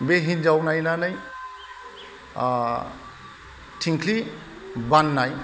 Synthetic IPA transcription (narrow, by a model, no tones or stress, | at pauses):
beɦind͡ʒawnajnanaj | tʰiŋkʰli | banːaj